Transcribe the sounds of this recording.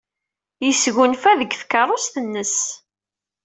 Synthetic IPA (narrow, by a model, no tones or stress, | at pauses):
jəsɣunfæðəɡθkːɑrˤosθənːəs